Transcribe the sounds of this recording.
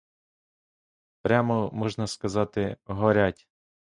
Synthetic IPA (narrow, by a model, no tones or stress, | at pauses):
pɾʲamɔmɔʒnɐskɐzɑt̪ɪɦɔɾʲatʲ